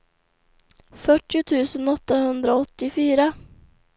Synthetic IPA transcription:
fœʈːɪʊt̪ʰʉ̟ːsənɔt̪ːahɵnd̪ɾaɔt̪ːɪfyːɾa

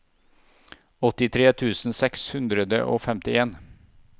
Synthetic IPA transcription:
ɔt̪ːɪt̪ʰɾeːt̪ʰʉːsn̩sɛkshʉnd̪ɾəd̪ə̰ʔo̰ːfɛmt̪ɪeːn

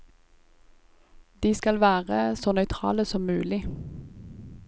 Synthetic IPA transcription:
d̪̥iːskɑlʋæːʁəsoːnœʏt̪ʰʁɑ̰ːləsɔmmʉːlɪ

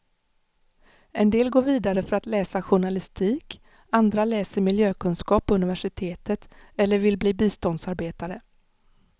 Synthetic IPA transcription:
ɛnd̪eːlɡoːɾviːd̪aɾəfœɾat̪lɛːsaɧʊɳalɪst̪ʰiːk | and̪ɾalɛːsəɾmɪljøːkʰɵnskɑːpɔɵnɪvæʂɪt̪ʰeːt̪ət̪ | ɛlːəɾvɪlbliːbiːst̪ɔnd̪saɾbeːt̪aɾə

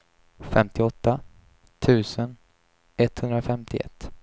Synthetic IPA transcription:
fɛmt̪ʰɪɔt̪ːa | t̪ʰʉ̟ːsən | ɛt̪hɵnd̪ɾafɛmt̪ʰɪʔɛ̰t̪ː

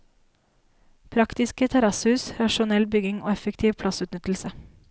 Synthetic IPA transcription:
pʰɾɑkt̪ɪskət̪ʰɛɾɑshʉːsɾɑʃʊnɛlbʏɡɪŋo̰ːɛfəkt̪ʰiːʋpʰlɑsʉːt̪nʏt̪l̩sə

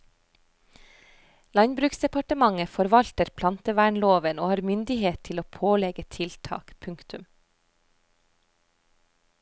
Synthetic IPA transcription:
lɑɲbɾʉːksd̪ɛpɑʈəmɑŋəfɔɾʋɑlt̪əɾpʰlɑnt̪əʋæːɳloːʋənoːhɑːɾmʏnd̪ɪheːt̪t̪ʰɪloːpʰoːlɛɡət̪ʰɪlt̪ʰɑ̰ːkpʰʉŋkt̪ʉm

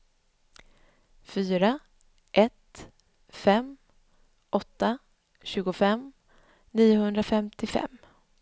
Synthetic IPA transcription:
fyːɾa | ʔɛt̪ | fɛm | ʔɔt̪ːa | ɕʉ̟ːɡʊfɛm | niːʊhɵnd̪ɾafɛmt̪ʰɪfɛ̰mː

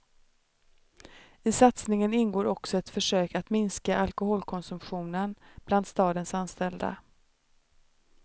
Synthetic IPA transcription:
ɪsat̪snɪŋənɪnɡoːɾɔksɔɛt̪fœʂøːkat̪mɪnskaʔalkʊhoːlkʰɔnsɵmpɧuːnənb̥land̪st̪ɑːd̪ənsanːst̪ɛld̪a̰

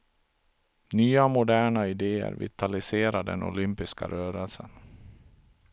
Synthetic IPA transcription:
nyːamʊd̪æːɳaɪd̪eːə̰ɾvɪ̰t̪ʰalɪseːɾad̪ɛnʊ̰lʏmpɪska̰ɾøːɾəlsən

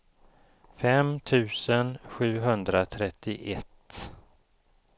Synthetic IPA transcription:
fɛmt̪ʰʉ̟ːsənɧʉ̟ːɦɵnd̪ɾat̪ʰɾɛt̪ːɪʔɛt̪ː

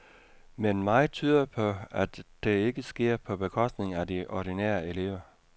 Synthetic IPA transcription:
menmɑ̈ɪt͡sʰyːð̞ˠɐpʰɒ̽æd̥d̥e̝e̝ɡ̥əsɡ̥e̝ɐ̰pʰɒ̽b̥e̝kʰɒ̽sd̥ne̝ŋæd̥iʔɒɾ̥inɛ̰ːɐe̝le̝ʊ̰ɐ

